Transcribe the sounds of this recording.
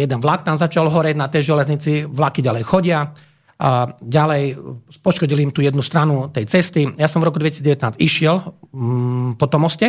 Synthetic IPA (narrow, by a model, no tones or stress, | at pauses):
jɛd̪ɛnʋlakt̪amzat͡ʃalɦɔɾɛɟnat̪ɛjʒɛlɛzɲit͡siʋlakiɟalɛjxɔɟɪa | ɟalɛjpɔʃkɔɟiliimt̪uːjɛd̪nust̪ɾanut̪ɛjt͡sɛst̪ijasɔmvɾɔkud̪ʋɛcisiːd͡zɟɛʋɛt̪naːziʃɪɛl | pɔt̪ɔmɔscɛ